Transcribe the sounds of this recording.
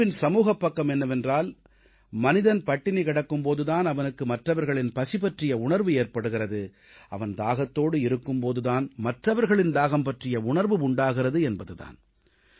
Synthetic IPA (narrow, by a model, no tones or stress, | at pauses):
ɪnsɐmuːɣɐpːɐkːɐmɛnːɐʋɛndraːl | mɐnɪðɐnpɐʈːɪnikɪɽɐkːɯmpoːðɯðaːnɐʋɐnɯkːɯmɐʈrɐʋɐɾɣɐɭɪnpɐsɪpɐʈrɪjɐʊɳɐɾʋɯeːɾpɐɽɯɣɪrɐðɯ | ʔɐ̰ʋɐnd̪aːɣɐt̪ːoːɽɯɪɾɯkːɯmpoːðɯðaːnmɐʈrɐʋɐɾɣɐɭɪnd̪aːɣɐmpɐʈrɪjɐʊɳɐɾʋɯʊɳɖaːɣɪrɐðɯɛnbɐðɯða̰ːn